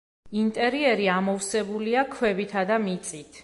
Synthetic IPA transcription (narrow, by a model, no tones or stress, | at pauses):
int̪ʼɛɾiɛɾiamɔfsɛbuliakʰwɛbit̪ʰad̪amit̪sʼit̪ʰ